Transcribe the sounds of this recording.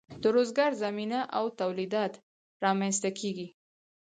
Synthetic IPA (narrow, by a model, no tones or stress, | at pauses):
d̪̥əɾozɡɑɾzaminaʔawt̪awlid̪ɑt̪ | ɾɑmanst̪akʰeɡi